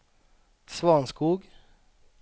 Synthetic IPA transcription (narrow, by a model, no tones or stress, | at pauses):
svɑːnskuːɡ